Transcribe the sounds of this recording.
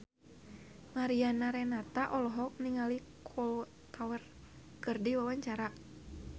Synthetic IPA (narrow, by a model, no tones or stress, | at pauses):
maɾianaɾɛnat̪aʔɔlɔɦɔk̚niŋalikʰɔlɔ | t̪awər | kɨrdiwawaɲt͡ʃaɾa